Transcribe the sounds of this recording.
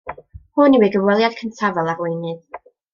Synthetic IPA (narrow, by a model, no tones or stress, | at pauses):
hʊniwiɡəvwɛlˠjad̥kʰəntʰavɛlˠarwejnɨð